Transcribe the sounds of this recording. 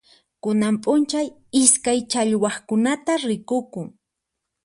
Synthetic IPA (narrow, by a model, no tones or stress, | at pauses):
kʊnampʼʊnt͡ʃaj | ɪskajt͡ʃaʎwɑχkʊnat̪aɾɪkʊkʊŋ